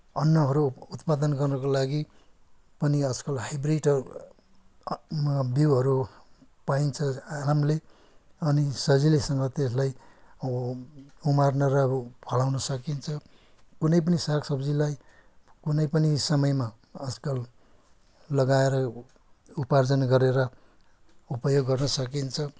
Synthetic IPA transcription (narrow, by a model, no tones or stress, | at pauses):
ʌnːʌɦʌɾuut̪pad̪ʌnɡʌrnʌkolaɡi | pʌniʌd͡zkʌlpajbriʈ | biwɦʌɾu | paint͡sʰʌalamle | ʌnisʌd͡zilesʌŋɡʌt̪es̬laj | umarnʌɾʌpʰʌlawnʌsʌkint͡sʰʌ | kunʌjp̬ʌnisaksʌbd͡zilaj | kunʌjpʌnisʌmʌjma | ʌd͡zkʌl | lʌɡaeɾʌ | upard͡zʌnɡʌɾeɾʌ | upʌjoɡːʌrnʌsʌk̬int͡sʰʌ